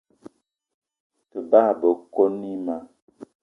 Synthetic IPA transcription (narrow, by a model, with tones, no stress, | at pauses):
tə˨ba˦˨bə˨ko˦ni˦ma˨